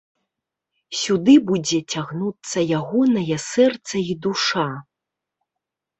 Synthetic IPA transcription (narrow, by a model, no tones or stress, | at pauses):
sʲud̪ɨbud͡zʲɛt͡sʲaɣnut̪sːɐjaɣɔnɐjɐsɛrt̪sɐid̪uʂa